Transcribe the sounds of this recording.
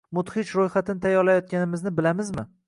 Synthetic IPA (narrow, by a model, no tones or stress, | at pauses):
mʊt̪hɪt͡ʃɾojχat̪ʰɪnɪt̪ʰajɒɾlajɒt̪̚kʲanɪmɪznɪbɪlamɪzmɪ̰